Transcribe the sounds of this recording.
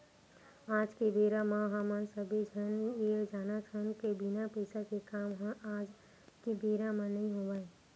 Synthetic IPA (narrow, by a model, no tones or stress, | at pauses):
aːd͡ʒkebeːɾamãɦamaːnsəbed͡ʒʱənjed͡ʒaːnat͡ʃʰənkebinapəɪsakekaːmɦə̃ʔaːd͡ʒ | kebeːɾamãnəɦĩɦobaːe